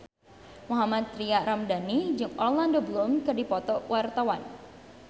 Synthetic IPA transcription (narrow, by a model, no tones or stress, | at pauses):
muɦamat̪ːɾiaɾamdanid͡ʒɨŋɔlandobəlʊmkɨrdipɔt̪ɔwʔart̪awan